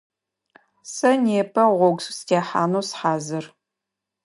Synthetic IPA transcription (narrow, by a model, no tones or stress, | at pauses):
sɐneːpʰɐʁʷɔɡsstʰeːħa̰ːnuːsħaːzɨr